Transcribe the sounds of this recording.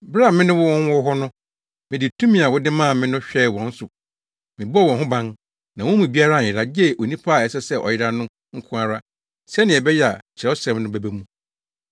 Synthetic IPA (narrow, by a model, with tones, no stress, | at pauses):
bɾa˦˨mɪ̃˦nʊ̃˦wʊ˦wɔ̃˦n˦wɔ˦ɦɔ˦nʊ̃˦ | mɪ̃˨dɪ˨tʰũ˦mĩ˦˨a˨wʊ˦dɪ˦mã˦˨mɪ̃˦nʊ̃˦ɕᶣɛ˦˨wɔ̃˨n̩˦sʊ˨ | mɪ̃˨bwɔ̃˨nɦʊ̃˦bã˦n | nã˨wɔ̃˦mũ˨bi˦a˦ɾa˦˨ɪ˨ɾa˨d͡ʑɛ˦˨ʔo˨nĩ˦pʰa˦˨ɛ˨sɛ˦sɛ˦ʔɔ̰˨jɪ˦ɾa˦nʊ̃˦ | ŋ̩˦kʰʊ̃˦a˨ɾa˦ | sɛ˦nɪ̃˨ɛ˨bɛ˦jɛ˦˨a˨t͡ɕʰɪ˨ɾɛ˦sɛ̃˨mnʊ̃˦bɛ˨˦bæ˦mũ˦